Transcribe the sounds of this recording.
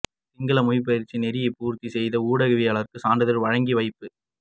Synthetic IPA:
tɪŋɡɐɭɐmʊjɪp̬ːɐðɪɾt͡ʃːinɛɾɪjɐpuːɾt̪isɛjðɐuːɽɐɣɯʋɪjaːɭɐɾkɯsaːɳɖɐðɐɾʋɐɻɐŋɡiʋɐɪpːɯ

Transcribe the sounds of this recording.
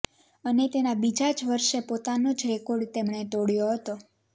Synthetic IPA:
ənet̪enabid͡ʒad͡ʒʋəɾʃepot̪anod͡ʒɾɛkoɾɖt̪emɳet̪oɽjoɦət̪o

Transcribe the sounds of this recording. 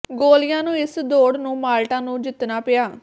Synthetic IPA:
ɡoːlɪjãːnũːɪsd̪oːɽnũːmaːlʈãːnũːd͡ʒɪt̪naːpɪjaː

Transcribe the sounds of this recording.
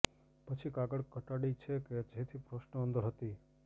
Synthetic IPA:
pət͡ʃʰikaɡəɽkəʈaɽit͡ʃʰeked͡ʒet̪ʰipɾoʃnəə̃nd̪əɾɦət̪i

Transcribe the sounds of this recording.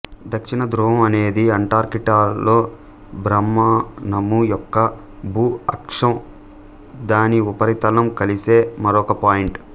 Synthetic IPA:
d̪ɐkʂinɐd̪ɾuːɦɐmɐne̞ːd̪iɐɳʈaːɾkiʈaːlo̞ː | bɾɐmːaːnɐmːujɔkːɐ | bʱuːɐkʂɐm | d̪aːniupɐɾit̪ɐlɐmkɐlise̞ːmɐɾɔkɐpaːjiɳʈ

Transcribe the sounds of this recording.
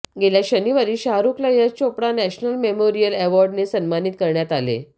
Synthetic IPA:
ɡeljaɕəniʋaɾiːɕaɾuklajət͡ɕopɽanæɕnəlmemoɾijəleʋɔɾɖnesənmanit̪̚kəɾɳjat̪alḛ

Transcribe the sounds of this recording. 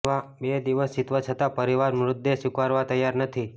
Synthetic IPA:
abed̪iʋəst͡ʃit̪ʋat͡ʃʰət̪apəɾiʋaɾmɾʊd̪ːeʃukʋaɾʋat̪əjaɾnət̪ʰi

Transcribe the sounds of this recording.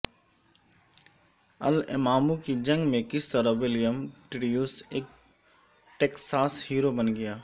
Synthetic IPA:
ɐ̰lɪ̰maːmukid͡ʒɐ̃ŋɡmẽkɪst̪ɐɾɐwɪlijəmʈɪɽijuːseːk̚ | ʈeːksaːshiːɾobɐnɡɐjaː

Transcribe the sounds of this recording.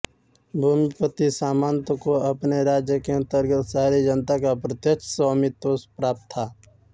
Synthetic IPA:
bʱumɪpət̪isaːmaːnt̪əkoɐpneɾaːd͡ʒjəkeə̃nt̪əɾɡət̪saːɾid͡ʒənt̪akapɾət̪jəkt͡ʃʰsaːmit̪oːspɾaːp̚t̪ʰːaː

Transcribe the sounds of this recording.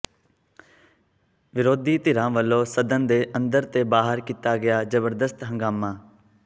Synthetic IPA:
ʋɪɾoːd̪iːt̪ɪɾãːʋəlːõːsəd̪ənd̪eːʔə̃nd̪əɾt̪eːbaːɦəɾkit̪aːɡɪjaːd͡ʒəbəɾd̪əst̪ɦə̃ŋɡaːmãː

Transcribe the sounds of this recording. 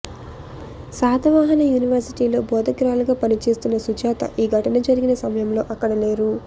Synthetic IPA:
saːd̪ɐʋaːɦɐnɐjuːniʋɐɾsiʈiːlo̞ːbɔːd̪ɐkɾaːluɡaːpɐnit͡ʃe̞ːst̪unːɐsud͡ʒaːt̪ɐ̰ʔiːɡʱɐʈɐnɐd͡ʒɐɾiɡinɐsɐmɐjɐmlo̞ːʔɐkːɐɽɐle̞ːɾu

